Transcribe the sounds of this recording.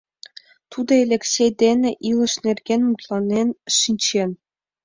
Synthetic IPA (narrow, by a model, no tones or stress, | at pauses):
t̪ud̪ɤ̆elʲeksʲejd̪ʲenʲɘ̆ʔilˠɤ̆ʂnʲerʲɡʲenʲmut̪lˠɑnʲenʲʂinʲt͡ɕenʲ